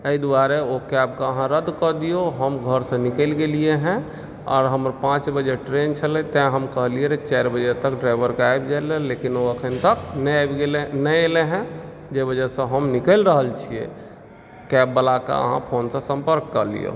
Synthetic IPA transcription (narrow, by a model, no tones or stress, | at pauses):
əid̪uaɾeokɛb̚kaəɦãɾəd̪kəd̪ijoɦəmɡʱəɾsə̃nikelɡelieɦɛ̃ | ɔ̰ːɾɦəmɾpãt͡ʃbəd͡ʒeʈɾent͡ʃʰəlẽt̪ɛ̃ɦəmkəɦlieɾet͡ʃaɾbəd͡ʒet̪əkɖɾaɪʋəɾkajbd͡ʒalelekinoəkʰənt̪əknɛbɡeenɛeleɦɛ̃ | d͡ʒebəd͡ʒəsẽɦəmnikəlɾəɦəlt͡ʃʰiḛ | kɛbːəlaka̰ə̰ɦã̰pʰoːnsə̃sə̃mpəɾkːəɾlḭo̰